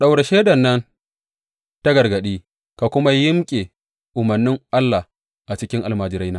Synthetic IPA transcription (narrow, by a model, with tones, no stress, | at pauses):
ɗa˨wɽe˨ʃeː˦dɐ˨nːɐ˦n | ta˦ɡɐ˨rɡɐ˨ɗiː˦ | ka˨kʷʊ˦ma˦jɪ˦mkʲʼe˨ | ʔʊ˨mɐ˨rnːɪ˦ŋʔa˦lːa˨h | ʔa˨t͡ʃɪ˦kʲɪ˦ŋʔa˨lmaː˨d͡ʒɪ˨ɾa˦jnaː˦